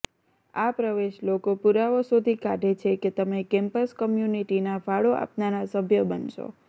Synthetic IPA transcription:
apɾəʋeʃlokopuɾaʋosod̪ʱikaʈet͡ʃʰeket̪əmekɛ̃mpəskəmjuniʈinafaɭoʔa̰pnanasəbʱjəbənʃo̰

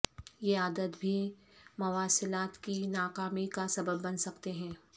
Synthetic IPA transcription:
jeaːd̪ət̪bʱimʊʋaːsɪlaːt̪kinaːkaːmikasɐbəbːɐnsɐkt̪eɦɛ̃ː

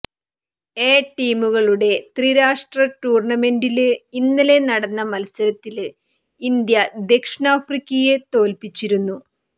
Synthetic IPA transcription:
e̞ːʈːiːmuɣɐɭuɽe̞t̪riɾaːʂʈrɐʈuːrɳɐme̞ɳɖilɨinːɐle̞nɐɽɐnːɐmɐlɐsɐɾɐt̪ːil | ind̪jɐd̪e̞kʂɳaːfrikʲːɐjet̪o̞ːlpit͡ɕːiɾunːu

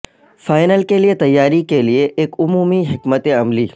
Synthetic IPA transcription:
faːɪnəlkeliet̪ɐjːaːɾikelieʔeːkʊmuːmiɦɪkmət̪eɐmliː

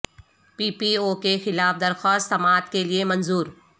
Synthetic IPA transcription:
piːpiːokexɪlaːfd̪ɐɾxaːst̪ːɐmaːt̪keliemɐ̃nzuːɾ

